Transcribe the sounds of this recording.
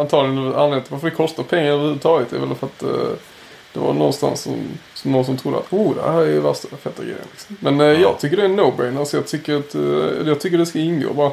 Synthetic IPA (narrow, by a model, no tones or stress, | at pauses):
ant̪ʰɑːvlɪɡənɛanleːɾnt̪əvaɾfədɛkʰɔst̪aɾpʰɛŋːaɾɛləhʉd̪t̪ʰɑːɡɪt̪d̪ɛ̰vɛ̰lfœɾat̪ | d̪̥ɛva̰nɔ̰nst̪a̰nsːɔ̰msɔmːɔsɔmt̪ʰɾʊd̪ːəa̰t̪uːd̪ɛ̰hæɾɛvæʂt̪afɛt̪ːaɡɾɛ̰ɪjənlɪksɔ̥mːɛnjɑːɡ̚t̪ʰʏkːəɾɖɛnːoʊbɛɪnasɔjɑːɡt̪ʰʏkːəɾat̪jɑɡt̪ʰʏkːədɛskaɪnɡo̰ːbɑːɾa